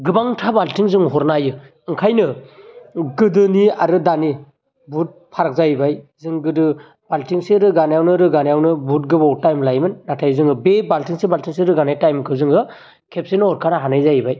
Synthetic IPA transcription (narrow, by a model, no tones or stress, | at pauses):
ɡɯbaŋtʰabaltiŋzɯŋɦɔɾnajɯ | ɯŋkʰajnɯ | ɡɯdɯniaɾɯdani | but̚pʰaɾak̚zajbajzɯŋɡɯdɯ | b̥altiŋseɾɯɡanjawnɯɾɯɡanajawnɯbut̚ɡɯbɔwtajmlajmɯnːatʰajzɯŋɯbebaltiŋsebaltiŋseɾɯɡanajtajmkʰɯzɯŋɯ | kʰep̚sinɯɔɾkʰanaɦanɯjzajbaj